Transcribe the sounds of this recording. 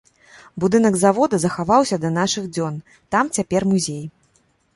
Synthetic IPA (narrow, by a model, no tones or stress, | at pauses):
bud̪ɨnɐɡzavɔd̪ɐzɐxavawsʲɐd̪ɐn̪aʂɨɣd͡zʲɔn | t̪amt͡sʲapʲɛrmuzʲej